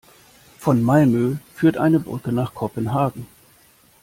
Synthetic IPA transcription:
fɔnmalmøːfyːɐtʔa̰ɪnəbʁʏkənaːχkʰɔpənɦaːɡŋ̩

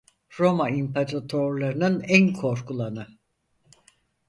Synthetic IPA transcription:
ɾo̞maimpʰaɾat̪ʰoɾlˠaɾɯnɯnænkʰo̞ɾkʰulˠanɯ

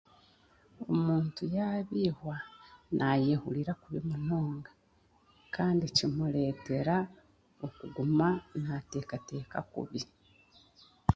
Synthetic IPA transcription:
o̞̰muːntujaβiːhwanʔajehuliɾakuβimunoːŋɡḁ | kʰaːndicimule̞ːte̞ɾa | okuɡumanate̞ːkate̞ːkakṵβi

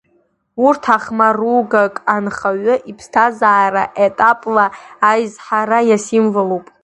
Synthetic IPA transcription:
urtʰaχmaruɡakʼanχaɥʷʊʔipʰstʰazaːɾaʔetʼapʼlaːjzħaɾajasimvalowpʼ

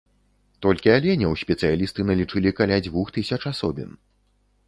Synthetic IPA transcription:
t̪ɔlʲkʲialʲɛnʲɐwsʲpʲɛt̪sɨjalʲist̪ɨnɐlʲit͡ʂɨlʲikalʲad͡zʲvuxt̪ɨsʲɐt͡ʂasɔbʲḭn

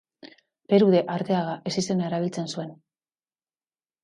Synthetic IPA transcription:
pe̞ɾuðe̞ʔaɾt̪e̞aɣaʔe̞sist̪enae̞ɾaβ̞ilt͡se̞nsue̞n

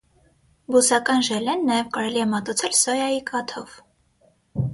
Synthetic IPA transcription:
busɑkɑnʒɛlɛnːɑjɛvkɑɾɛliɛmɑt̪ut͡sʰɛlsɔjɑjikʰʼɑt̪ʰɔv

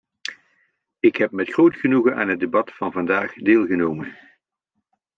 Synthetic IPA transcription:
ɪkɦɛp̚mɛtχrowtχənuɣənʔa̰ːnɦədebɑtfɑnvɑndaːχdeːlˠɣənowmən

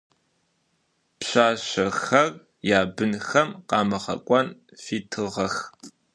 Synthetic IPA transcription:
pɕaːɕɐxɐr | jaːbɨnxɐmqɑːmɐχɐ̰kʷʼɔnfiːtʰɨʁɐx

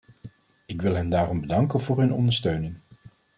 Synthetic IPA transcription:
ɪkʋɪlˠɦɛndaːrɔmbədɑŋkənvʊːɹɦɵnɔ̰ndəɹstøɥnɪŋ

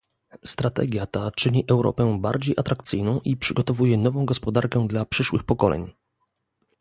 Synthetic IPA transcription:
st̪ɾat̪ɛ̰ɡʲjat̪at͡ʂɘɲiʔɛwɾɔ̰pɛbaɾd͡ʑejʔat̪ɾakt̪sɘjnɔ̃w̃ʔipʂɘɡɔt̪ɔvujɛnɔvɔ̃w̃ɡɔspɔd̪aɾkɛd̪lapʂɘʂwɘxpɔkɔlɛ̰ɲ

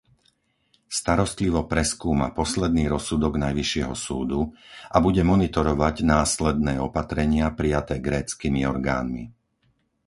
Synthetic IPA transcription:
st̪aɾɔst̪liʋɔpɾɛskuːma̰pɔslɛd̪niːɾɔsud̪ɔɡnajʋiʃɪɛɦɔsuːd̪uʔabuɟɛmɔnit̪ɔɾɔʋaɟnaːslɛd̪nɛːɔpat̪ɾɛɲɪapɾijat̪ɛːɡɾɛːt͡skiːmiɔɾɡa̰ːnmḭ

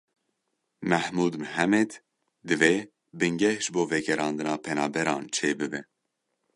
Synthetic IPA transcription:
mæhmuːd̪mɨɦɛmɛd̪ | d̪ɨveː | bɨŋɡɛhʒɨboːvɛɡɛɾɑːnd̪ɨnɑːpʰɛnɑːbɛɾɑːnt͡ʃʰeːbɨbɨ

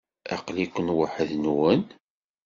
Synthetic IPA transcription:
ɑ̰qlikʷːənwəħəðnwən

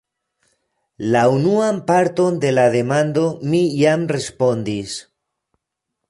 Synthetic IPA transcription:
launuampaɾt̪o̞nd̪e̞laðe̞mand̪o̞mijamre̞spo̞nd̪is

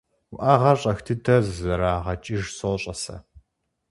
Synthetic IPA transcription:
wʊʔaːʁɐɕʼɐxtʰɨdɐzzɐɾaːʁɐt͡ʃʼɪʒsoɕʼɐsɐ̰

